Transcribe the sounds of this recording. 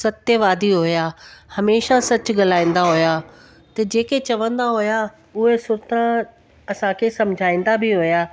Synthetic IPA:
sɐt̪jəʋaːd̪iɦʊjahɐmeːʃasɐt͡ɕʊɠɐlaːĩn̆d̪aɦʊjaː | t̪ɐd͡ʑeːket͡ɕɐʋə̃nd̪aɦʊja | ʊɦesʊɾt̪ã | ɐsãkʰeːsɐmd͡ʑʱaːĩːn̆d̪abɪɦʊjaː

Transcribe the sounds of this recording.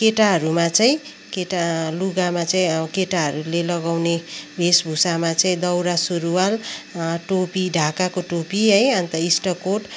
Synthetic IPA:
keʈaɦʌɾumat͡saĩ | keʈaluɡamat͡saĩkeʈaɦʌɾulelʌɡawnebʱesbʱusamat͡saĩd̪ʌwɾasuɾuwalʈopiɖʱakakoʈopiɦʌjʌnt̪ʌisʈʌkoʈ

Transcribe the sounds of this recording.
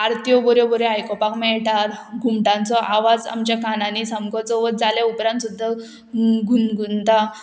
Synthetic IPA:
aɾt̪jɔbɔɾjɔbɔɾeajkɔpakmɛɭʈaɾɡʱumʈãnt͡sɔʔaʋad͡za̰mt͡ɕjakanãnisamɡɔt͡sɔʋəd͡zaljaupɾãnt̪sud̪ʱːa | ɡʱunɡʱunt̪a

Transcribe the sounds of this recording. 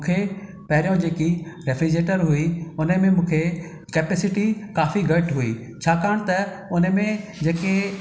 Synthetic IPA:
m̃ːkʰe | pɐɦɪɾijõd͡ʑeːkiɾefʰid͡ʑeːʈəɾɦuiʊnəmẽmũːkʰe | kɛːpeːsɪʈikaːfiɡɐʈɦuḭː | t͡ɕʰaːkaːɽ̃t̪ɐ | ʊnəmẽd͡ʑeːke

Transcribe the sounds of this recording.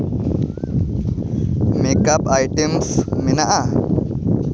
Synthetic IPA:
mekapajʈemsmɪnaʔa

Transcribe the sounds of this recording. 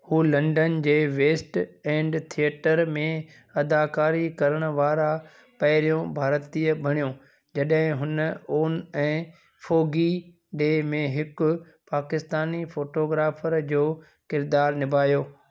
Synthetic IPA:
huːlɐ̃ɳɖənd͡ʑeːʋeːsʈɛ̃ːɳɖt̪ʰijeʈəɾmẽ | ɐd̪aːkaːɾikɐɾəɽ̃ʊ̆ʋaːɾa | pɐɦɪɾijõbʱaːɾt̪iːəbʱɐɽ̃ijõ | d͡ʑɐɗɦɪ̃ɦʊnəoːnɛ̃ː | foːɡi | ɖeːmẽɦɪkʊ | paːkɪst̪aːnifoːʈoːɡɾaːfəɾd͡ʑoː | kɪɾd̪aːɾnɪbʱaːjoː

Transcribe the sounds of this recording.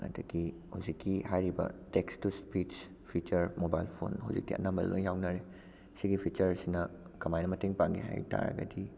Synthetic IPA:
ɐ̰dɐɡi | hawzikːihajɾibɐ̰tekstuspi | pʰit͡ʃɐɾmobajlpʰo̰nɦa̰wzikːiʔɐ̰nambɐl̰lo̰ŋjawnɐɾe | siɡipʰit͡ʃɐɾsinɐkɐmajnɐmɐteŋpaŋɡḭɦa̰jta̰ɾɐ̰ɡɐ̰di

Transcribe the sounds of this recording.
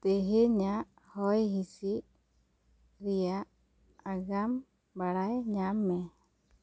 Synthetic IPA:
t̪ɛɦɛɲaʔ | hɔjɦisi | ɾijaʔ | aɡam | baɽajɲamːɛ

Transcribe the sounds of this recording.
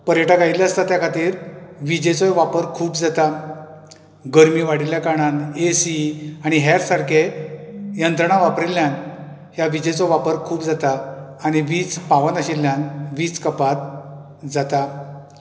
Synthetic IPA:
pəɾjəʈaɡailjaəst̪at̪jakʰat̪iːɾʋid͡ʑet͡sɔʋapəɾkʰuːpd͡zat̪a | ɡəɾmiːʋaɽ̤iljakaɽ̃anesiaɽ̃iɦaɾsaɽkʰe | jənt̪ɾəɳ̃aʋapɾelːjan | ɦjaʋid͡ʑet͡sɔʋapəɾkʰuːpd͡zat̪aː | ɽ̃iʋiːt͡spaʋənaɕilːjanʋiːt͡skəpat̪̚ | d͡zat̪a

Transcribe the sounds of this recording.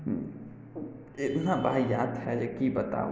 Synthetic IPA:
ɪt̪nabaijad̪ɦɛd͡ʒekibət̪a̰

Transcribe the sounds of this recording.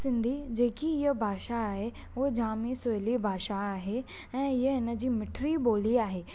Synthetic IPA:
sɪ̃nd̪ʱid͡ʑeːkiɪɦəbʱaːʃaːɦe | oɦd͡ʑaːmisʊlibʱaːʃaaːɦe | ɛ̃ːɪɦəɦɪnə̆d͡ʑiːmɪʈʰɾiboːliaːɦeː

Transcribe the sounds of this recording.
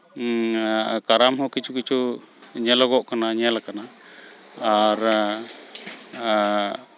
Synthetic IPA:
kaɾamɦɔkit͡ʃukit͡ʃʰu | ɲɛlɔɡɔʔkanaɲɛlakana | aɾ

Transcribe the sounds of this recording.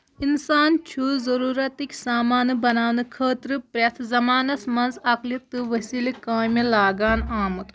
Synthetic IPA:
insaːnt͡ʃʰuzɐɾuːɾɐt̪ikʲsaːmaːnɨbɐnaːʋnɨkʰəːt̪ɾɨpɾʲɐt̪ʰzɐmaːnɐsmɐnzɐklit̪ːɨʋɐsilikaːmʲilaːɡaːnaːmut̪

